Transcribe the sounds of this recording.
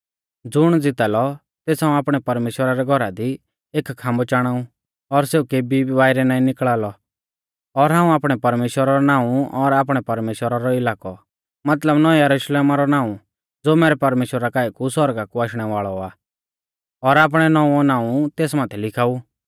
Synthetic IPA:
d͡zʊɽ̃d͡zɪt̪aːlɔ | t̪eːsɦãːũaːpɽ̃ɛpɐɾmeːʃwəɾaɾɛɡʱɔɾad̪i | eːkkʰãːmbɔt͡ʃaːɽ̃aːũ | ɔɾseːukeːbʱibaːɪɾɛnãːĩnɪkɭaːlɔ | ɔɾɦãːũaːpɽ̃ɛpɐɾmeːʃwəɾaɾɔnãːũɔɾaːpɽ̃ɛpɐɾmeːʃwəɾaɾɔɪlaːkɔ | mɐt̪ləbnɔɛjɐɾuʃleːmaɾɔnaːũ | d͡zoːmɛːɾɛpɐɾmeːʃwəɾakaːikusɔɾɡakuaːʃɽ̃ɛʋaːɭɔaː | ɔɾaːp̬ɽ̃ɛnɔũɔnãːũt̪eːsmaːt̪ʰɛlɪkʰaːu

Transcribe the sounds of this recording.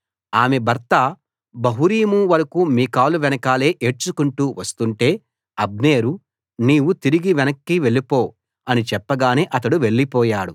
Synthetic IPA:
aːmebʱɐɾt̪ɐ | bɐɦuɾiːmuʋɐɾɐkumiːkaːluʋɛnɐkaːle̞ːʔeːʈ̚t͡ʃukuɳʈuːʋɐst̪uɳʈe̞ː | ɐbne̞ːɾu | niːwut̪iɾiɡiʋɛnɐkːiːʋe̞ɭipo̞ː | ɐnit͡ʃɛpːɐɡaːneːʔɐt̪ɐɽuʋe̞ɭːipɔːjaːɽu

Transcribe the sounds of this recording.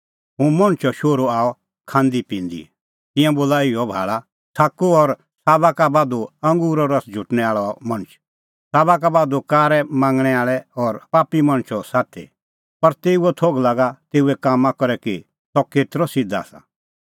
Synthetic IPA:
ɦũmɐ̃ñt͡ʃʰɔʃoːɾoaːɔ | kʰãːnd̪ipĩːnd̪ḭ | t̪ɪ̃jãboːlaɪɔbʱa̰ːɭa | t̪ʰaːkoɔɾ | saːbakabaːd̪oɐ̃ŋɡuːɾɔɾɐsd͡ʒʱʊʈñɛaːɭɔmɐ̃ñt͡ʃʰ | saːbakabaːd̪okaːɾɛmãːŋɡɽ̃ɛaːɭɛɔɾpaːpimɐ̃ɽ̃t͡ʃʰɔsaːt̪ʰḛ | pɐɾt̪eːuɔt̪ʰoːɡlaːɡat̪eːuɛkaːmakɔɾɛki | sɔkeːt̪ɾɔsɪd̪a̰ːsa̰

